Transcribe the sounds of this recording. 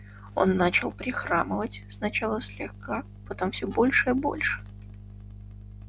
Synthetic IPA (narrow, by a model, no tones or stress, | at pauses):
o̞̰nːat͡ɕɪlˠpɾʲɪxɾaməvətʲsnɐt͡ɕalˠəsʲlʲɪxka | pɐt̪o̞mfsʲɵbo̞lʲʂɨjəbo̞̰lʲʂɨ̥